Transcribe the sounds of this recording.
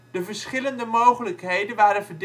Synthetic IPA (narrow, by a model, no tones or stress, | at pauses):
d̥əvəɹsχɪləndəmowχələkɦejdənʋaːɾənvəɹd